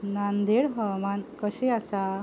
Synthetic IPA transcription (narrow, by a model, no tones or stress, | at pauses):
nand̪eɽɦɔmankəɕeasa